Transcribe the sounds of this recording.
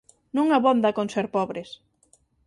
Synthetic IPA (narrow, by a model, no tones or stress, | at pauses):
nũŋaβɔnd̪akonseɾpɔβɾes